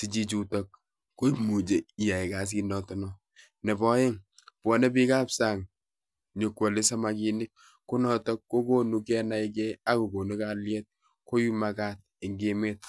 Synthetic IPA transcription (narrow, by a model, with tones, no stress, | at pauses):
si˨t͡ʃi˦t͡ʃu˨tɔ˦k̚ː | o˦i˦mu˨d͡ʒe˨i˨ja˨i˨ka˨s̬i˦nɔ˨tɔ˦nɔ˦ | nɛ˨bɔ˦je˦ŋ | pɔ˨nɛ˦bi˦ka˦psa˨ŋ | ɲo˨kwo˨le˦sa˦ma˨ki˦nɪ˦k̚ | kːo˦nɔ˦tɔ˦kːo˦ko˦nu˦kɛ˦na˦i˦k̬ɛ˦a˦ko˨ɡo˨nu˦ka˦ljɛ˦t̚ | ko˦ju˦ma˨ka˦t̚ɪ˨ŋɡe˦me˦t̚